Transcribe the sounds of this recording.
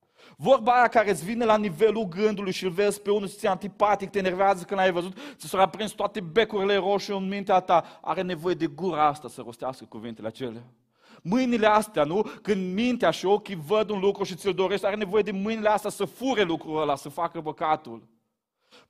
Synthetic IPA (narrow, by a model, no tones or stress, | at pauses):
vo̞rbajakaɾetsʲvinelanive̞lulɡɨnd̪ulujʃilve̞zpe̞unust̪siant̪ipat̪ik̚t̪enerveazəkɨnajvəzut̪isoɾapɾinst̪at̪e̞be̞kuɾile̞ɾo̞ʃeɨnmint̪̬eat̪aa̰ɾe̞ne̞vo̞je̞d̪e̞ɡuɾaast̪asəro̞st̪easkə̥kuvint̪e̞leat͡ʃe̞lea | mɨjnileast̪eanukɨnd̪mint̪eaʃiokʲivəd̪unlukɾuʃit̪ild̪o̞ɾe̞ʃt̪ʲaɾene̞vo̞je̞d̪e̞mɨjnileast̪jasəfuɾelukɾuɾəlasəfakəbəkat̪ul